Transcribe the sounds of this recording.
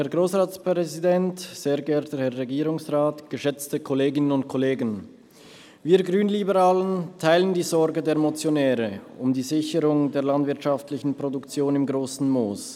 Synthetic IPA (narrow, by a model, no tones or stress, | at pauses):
hɛɐɡʁoːsʁaːt͡spʁʁɛzidɛntz̥eːɐɡɛɐtəhɛɐʁeɡiːʁʊŋsʁaːtɡ̥əʃɛt͡stəkʰɔleːɡɪnənʊntkʰɔleːɡən | viːɐɡʁyːnlibəʁaːləntʰaɪləndiːzɔɾɡədeːɐmot͡sjonɛːʁəʊmdiːzɪçəʁʊŋdeːɐlandvɪɐtʃaftlɪçn̩pʁ̥odʊkt͡sjoːnɪmɡʁoːsn̩moːs